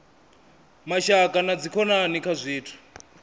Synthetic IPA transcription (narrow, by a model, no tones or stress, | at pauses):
maʃakʼanad͡zikʰɔnanikʰazʷiːtʰu̥